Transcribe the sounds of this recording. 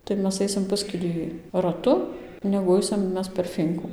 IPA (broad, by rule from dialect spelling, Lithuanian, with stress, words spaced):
tɐɪ ˈmʲɛs ˈɐɪsʲɪm ˈpʊsʲkʲɪlʲiː rɐˈtʊ nʲɛɡʊ ˈɐɪsʲɪm ˈmʲɛs pʲɛr ˈfʲiːŋkʊ